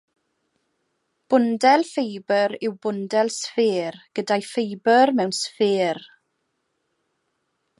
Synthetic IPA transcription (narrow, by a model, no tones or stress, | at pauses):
b̥ʊndɛlˠfejbəɾɪwbʊndɛlˠsfɪːrɡ̥ədajfejbərmɛwnsfɪːr